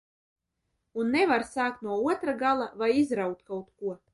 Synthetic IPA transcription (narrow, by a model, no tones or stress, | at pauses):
unːevaɾsaːkt̪nuɔuɔt̪ɾaɡalˠavajizɾawk̚t̪kawt̪kuɔ